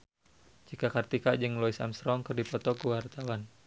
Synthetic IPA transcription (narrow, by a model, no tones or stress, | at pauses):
d͡ʒikakart̪ikad͡ʒɨŋlɔisa̰mst̪ɾɔŋkərdipɔt̪ɔkuwart̪awan